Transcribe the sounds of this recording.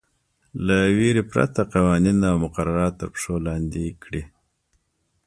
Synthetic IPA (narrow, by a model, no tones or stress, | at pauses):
laweɾepɾa̰t̪aqawɑninawmʊqaɾaɾɑt̪ːəɾpʂolɑnd̪ikɽi